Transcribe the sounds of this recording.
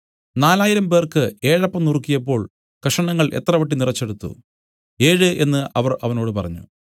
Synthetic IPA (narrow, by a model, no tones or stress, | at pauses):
naːlaːjiɾɐmpe̞ːrkɨe̞ːɻɐpːɐmnurkːijɐp̬ːo̞ːɭ | kɐʂɐɳɐŋːɐɭʔe̞̰t̪ːrɐʋɐʈːinirɐt͡ɕːe̞ɽut̪ːṵ | e̞ːɻɨʔe̞nːɨʔɐʋɐrɐʋɐno̞ːɽɨpɐrɐɲːṵ